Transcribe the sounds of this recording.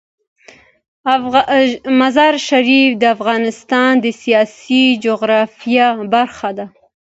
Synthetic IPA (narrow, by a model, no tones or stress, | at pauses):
mazɑɾʃaɾifd̪əafɣɑnɪst̪ɑnd̪əsijɑsid͡ʒoɣɾɑfijɑbaɾxad̪a